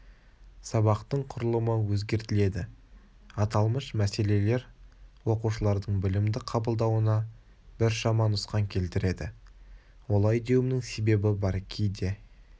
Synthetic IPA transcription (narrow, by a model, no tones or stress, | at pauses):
sɑbɑqt̪əɴqʰʊɾəlˠəməwɵzɡʲe̞ɾt̪ɪle̞d̪ɪ | ɑt̪ɑlˠməʃmæse̞le̞le̞ɾwo̞quʃəlˠɑɾd̪əɴbɪlɪmd̪ɪqʰɑbəlˠd̪ɑwənɑ | bɪɾʃɑmɑnʊsqɑŋkʲʰe̞lt̪ɪɾe̞d̪ɪ̰ | wolˠɑjd̪e̞wɪmnɪŋse̞be̞bɪbɑɾkʲʰejd̪e̞